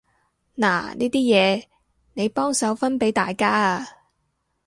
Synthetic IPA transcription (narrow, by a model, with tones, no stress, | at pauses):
na̰ː˨˩niː˥t̪iː˥jɛː˨˧ | ne˨˧jpɔː˥ŋsɐ˨˥wfɐ˥npe˨˥jt̪aː˨jkaː˥